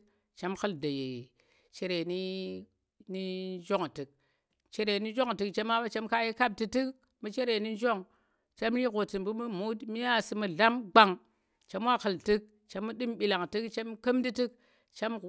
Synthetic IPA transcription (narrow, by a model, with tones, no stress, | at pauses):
t͡ʃa˦mxə˦lda˨je˨ | t͡ʃe˨ɾe˨ni˦ | ni˦d͡ʒo˦ŋ˨tɨ˨k̚ | t͡ʃe˨ɾe˨ni˦d͡ʒo˦ŋ˨tɨ˨kt͡ʃa˦mːa˦ba˦t͡ʃa˦mka˦ji˦ka˦b̚ti˨tɨ˦k̚ | mu˦t͡ʃe˦ɾe˨ni˦d͡ʒo˦˨ŋ | t͡ʃa˦mli˦ɣo˨tɨ˨mbu˦mu˦mu˦tmi˦ja˦˨sɨ˨mə˨ɮa˦mɡ͡ba˨ŋ | t͡ʃa˦m˦wa˦xə˨ltɨ˦k̚ | t͡ʃa˦mːu˦ɗɨ˦mbi˨la˨ŋtɨ˦kt͡ʃa˦mkə˦mdi˦tɨ˦k̚ | t͡ʃa˦m